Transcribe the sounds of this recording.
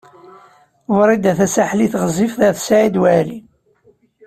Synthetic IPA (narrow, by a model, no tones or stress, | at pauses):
wɾˤid̪æθæsaħliθʁəzːifðæθsʕid̪wæli